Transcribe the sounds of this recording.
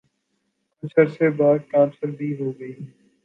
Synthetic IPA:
kʊt͡ʃʰəɾsebaːd̪̚kãːnsəɾbʱiɦoːɡəiː

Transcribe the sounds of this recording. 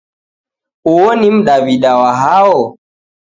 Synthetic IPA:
uwɔnim̩ɗaβiɗawaɦaɔ

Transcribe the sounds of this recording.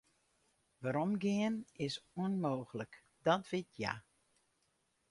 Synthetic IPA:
ʋaɾɔmɡɪənɪsuənmoːɣlək | d̥ɔtʋɪtʰja̰

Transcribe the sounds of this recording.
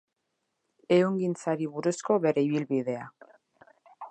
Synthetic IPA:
e̞uŋɡint͡saɾiβuɾusko̞βe̞ɾe̞iβ̞ilβiðe̞a

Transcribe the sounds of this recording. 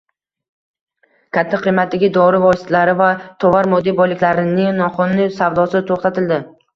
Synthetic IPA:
kʲʰat̪ʰːaqʰɨjmat̪̚d̪aɡʲɪd̪ɒɾɪvɒsɪt̪ʰalaɾɪvat̪ʰɒvaɾmɒd̪ijbɒjlɪkʲlaɾɪnɪnɒqʊnːɪsavd̪ɒsɪt̪ʰoχt̪at̪ʰɪld̪ɪ

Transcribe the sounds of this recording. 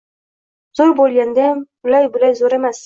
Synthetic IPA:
zoɾbolˠʲɡʲand̪ebʊlajbʊlajzoɾemas

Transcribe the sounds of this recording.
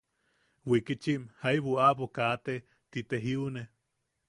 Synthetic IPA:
wikit͡ʃiʔmhaiβuapokat̪e | t̪it̪eɦiune

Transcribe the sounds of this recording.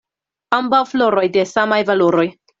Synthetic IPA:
ambawflo̞ɾo̞jde̞samajvaloɾo̞j

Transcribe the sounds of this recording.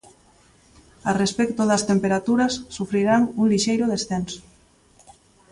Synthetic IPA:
arespɛkt̪oðast̪empeɾat̪uɾasːufɾiɾaŋuŋliʃejɾoðesθens

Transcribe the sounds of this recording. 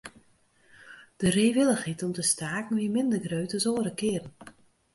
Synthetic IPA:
d̥əriːʋɪlˠəxitɔmtəstaːkŋ̩ʋiəmɪndərɡrøɥtəsoːɾəkɪːrn̩

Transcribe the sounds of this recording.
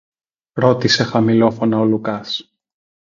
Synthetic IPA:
ɾo̞t̪ise̞xɐmilo̞fo̞nɐolukɐs

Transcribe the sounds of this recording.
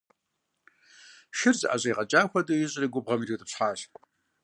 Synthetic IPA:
ʃɪrzɨʔa̰ʑʼɐjʁɐt͡ʃʼaːxʷɐdɨjɪɕʼriːɡʷʊbʁɐmitʰiwtʰʼɨpɕħaːɕ

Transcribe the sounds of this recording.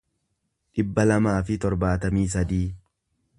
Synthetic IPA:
ᶑɪbːɐlɐmaːfɪt̪ɔɾbaːt̪ɐmiːs̬ɐd̪iː

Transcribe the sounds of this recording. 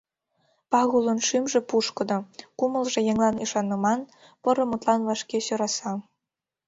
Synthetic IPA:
pɑɣulonʃymʒĕpuʃkɤ̆d̪ŏkumə̆lʒejeŋlˠɑniʃɑnːɤmɑn | pɤɾɤ̆mut̪lɑnβɑʃkeɕøɾɑsɑ

